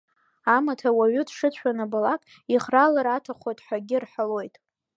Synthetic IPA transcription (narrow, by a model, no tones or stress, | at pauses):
amatʰawaɥʏdʂɨt͡ɕʷʰanɨbalakʼ | iχralaɾatʰaχʷojtʼħaɡʲɪrħʷalo̞jtʼ